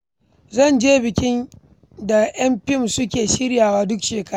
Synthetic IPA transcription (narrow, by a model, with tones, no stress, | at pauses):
zɐ˦˨nd͡ʒeː˦bɪ˨kʲɪ˦n | da˨ʔj̰ɐ˦mɸɪ˦˨msʊ˦kʲeː˨ʃɪ˦ɽjaː˨waː˦dʊ˦kʃeː˨kɐ˦ɾ